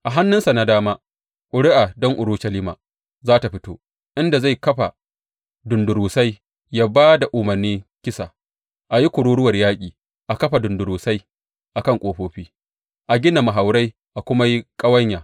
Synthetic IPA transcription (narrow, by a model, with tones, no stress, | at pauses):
ʔa˨ɦa˦nːʊ˦nsa˨na˨daː˦maː˦ | kʷʼʊ˨ɽɪ˦ʔa˨dɔ˦ŋʔʊ˨ɾuː˦ʃɐ˨liː˦ma̰ː˨ | zaː˦ta˨ɸɪ˦toː˦ | ʔɪ˦nda˨za˦˨jkɐ˦ɸa˨ | dʊ˨ndʊ˨ɾuː˨sa˦j | jaː˦baː˦da˨ʔʊː˨mɐ˨rniː˦kʲɪ˦sa̰˨ | ʔa˨ji˦kʷʊ˨ɽuː˦ɽʊ˦wɐ˨rjaː˦kʲʼiː˨ | ʔa˨kɐ˦ɸa˨dʊ˨ndʊ˨ɾuː˨sa˦j | ʔa˨kɐ˦ŋkʷʼoː˨ɸoː˦ɸiː˦ | ʔa˨ɡʲɪ˦na˨ma˨ɦa˨wɾa˦j | ʔa˨kʷʊ˦ma˦ji˦kʼɐ˦wɐ˦ɲjaː˨